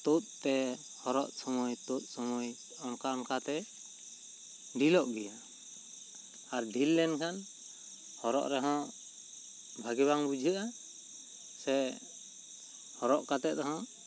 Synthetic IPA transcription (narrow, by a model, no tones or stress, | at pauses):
t̪ut̪̚t̪ɛ | hɔɾɔʔsɔmɔjt̪ut̪̚ˀsɔmɔj | ɔnkaɔnkat̪ɛ | ɖilɔʔɡɛja | aɾɖʱilːɛnkʰan | hɔɾɔ̰ʔɾɛɦɔ̃ | bʱaɡiβaŋbud͡ʒʱuʔa | sɛ | hɔɾɔʔkat̪ɛʔt̪ɔɦɔ̃